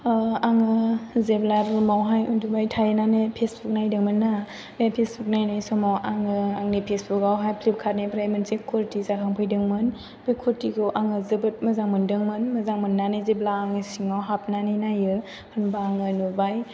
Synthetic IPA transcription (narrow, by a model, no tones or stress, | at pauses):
aŋɯzeblaɾumawɦajundubajtʰajenanepʰesbuk̚najdɯŋmɯnːa | bepʰesbuk̚najnajsɔmawaŋɯaŋnipʰesbukawɦajpʰlip̚kʰat̚nebɾajmɯnsekʰoɾtizakʰaŋpʰɯjdɯŋmɯn | bejkʰɔɾtiɡɯwʔaŋɯzɯbɯt̚mɯzaŋmɯndɯŋmɯnmɯzaŋmɯnːanezeblaːŋɯsiŋawɦap̚nanɯjnajɯ | pʰɯnbaːŋɯnubaj